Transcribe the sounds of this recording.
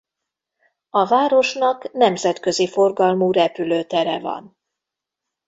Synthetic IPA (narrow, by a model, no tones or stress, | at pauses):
ɒvaːɾo̞ʃnɒknɛmzɛt̪kø̞zifo̞rɡɒlmuːɾɛpyløːt̪ɛɾɛvɒ̰n